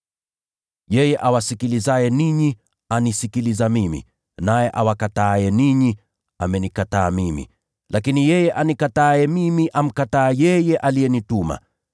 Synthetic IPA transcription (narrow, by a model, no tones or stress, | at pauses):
jɛjɛʔawasikilizajɛniɲi | anisikilizamimḭ | najɛʔawakataːjɛniɲi | amɛnikataːmimḭ | lʔakinijɛjɛʔanikataːɛmimiʔam̩kataːjɛjɛʔalijɛnituma̰